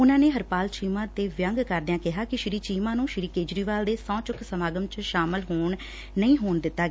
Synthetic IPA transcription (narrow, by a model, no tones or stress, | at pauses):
ʊnãːneːɦəɾpaːlt͡ʃiːmãːt̪eːʋjəŋɡkəɾd̪ɪãːkɪɦaːkɪʃɪɾiːt͡ʃiːmãːnũːʃɪɾiːkeːd͡ʒɾiːʋaːld̪eːsãːt͡ʃʊksəmaːɡəmt͡ʃʃaːmɪlɦoːɳː | əĩːɦoːɳd̪ɪt̪ːaːɡeː